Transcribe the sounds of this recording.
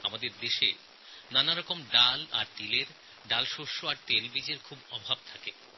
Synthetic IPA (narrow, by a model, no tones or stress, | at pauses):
amad̪eɾd̪eʃḛ | nanaɾɔkomɖalaɾt̪ileɾ | ɖalʃoʃoaɾt̪elbid͡ʑeɾkʰubɔbʱab̚t̪ʰake